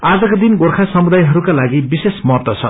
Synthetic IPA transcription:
ad͡zʌkod̪inɡorkʰasʌmud̪ajɦʌɾukalaɡibisesmʌrt̪ʌt͡sʰʌ̰

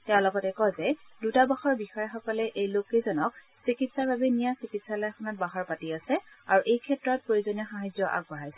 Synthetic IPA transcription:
tɛʊ̃lɔɡɔtɛkɔzɛdutabaxɔɹbixɔjaxɔkɔlɛʔejlokːezɔnɔk̚ | sikitsaɹbʱabɛnijasikitsalɔjakʰɔnat̚baɦɔɹpatiasɛ | aɹuʔejkʰɛtɹɔt̚pɹoɹizɔniɔxaɦajzɔʔa̰ɡ̚bɔɦajsɛ

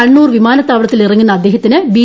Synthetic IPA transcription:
ɐɳːuːrʋimaːnɐt̪ːaːʋiɽɐt̪ːilirɐŋːunːɐːd̪ːe̞ːɦɐt̪ːinɨbi

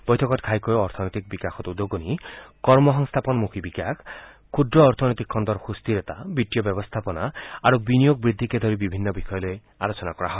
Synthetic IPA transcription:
b̥ɔjt̪ʰɔkɔt̪kʰajkɔjɔɾt̪ʰɔnɔjt̪ik̚bikakʰɔt̪ud̪oɡunikɔɾmɔɦɔŋst̪ʰapɔnɔmukʰibikakʰ | kʰːud̪ɾɔːɾt̪ʰɔnɔjt̪ikʰːɔnd̪ɔɾxust̪iɾet̪abiʈijɔbɔbɔst̪ʰapɔnaaɾubinijoɡ̚bɾid̪ʱːiked̪ʱɔɾibibʱinːɔbixɔjɔloj | a̰ɾot͡ʃɔnakɔɾaɦɔeɪ

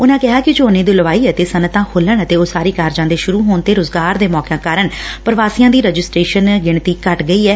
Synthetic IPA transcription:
ʊnãːkɪɦaːkɪd͡ʒoːnẽːd̪ʊləʋaːiːət̪eːsənət̪ãːkʰoːləɳət̪eːoːsaːɾiːkaːɾd͡ʒãːnd̪eːʃʊɾuːɦoːnt̪eːɾʊzɡaːɾd̪eːmɔːkãːkaːɾəɳpəɾʋaːsijãːd̪iːɾɛd͡ʒɪsʈɾeːʃənɡɪɳ̃t̪iːkəʈɡəiːɛː

